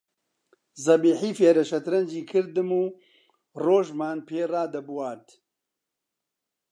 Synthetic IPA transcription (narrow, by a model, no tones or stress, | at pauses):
zɐbiːħiːfeːɾɐʃɐt̪ɾɐnd͡ʒiːkʰɨɾd̪ɨmuː | roːʒmaːnpʰeːraːd̪ɐbwaːd̪